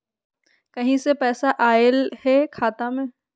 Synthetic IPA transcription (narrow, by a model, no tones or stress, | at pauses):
kɐɦĩsepɛːsaʔaːɪlɦɛkʰaːt̪amẽː